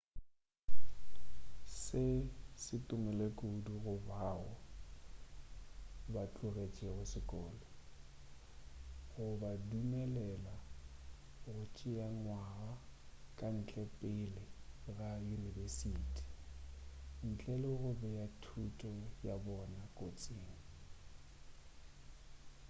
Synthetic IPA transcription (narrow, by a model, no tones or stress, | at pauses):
sɪsɪtʼʊmɛlekʼoduɣʊbaːɔ | bat͡ɬʼʊret͡ʃʼɛɣʊsɪkʼɔːlɔ | ɣʊbadumɛlɛla | ɣʊt͡ʃʼɪaŋwaɣakʼan̩t͡ɬʼɛpʼɪlɪrajunivesitʰʼi̥ | n̩t͡ɬʼɛlɔɣʊbɛjatʰutʼɔjabɔnakʼot͡sʼeːŋ̩